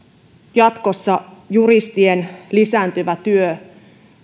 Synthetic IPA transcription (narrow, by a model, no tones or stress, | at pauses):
jɑt̪ko̞sːɑjuɾist̪ienlisæːnt̪yʋæt̪yø